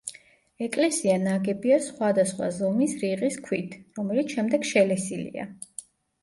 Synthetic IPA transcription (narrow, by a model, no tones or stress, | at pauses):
ɛkʼlɛsianaɡɛbiasχwad̪asχwa̰zɔmisɾiʁiskʰwit̪ʰɾɔmɛlit̪sʃɛmd̪ɛɡʃɛlɛsilḭa̰